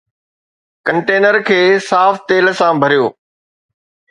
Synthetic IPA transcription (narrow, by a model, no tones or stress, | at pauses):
kɐ̃ɳʈeːnəɾkʰeːsaːft̪eːl̆sãbʱɐɾijoː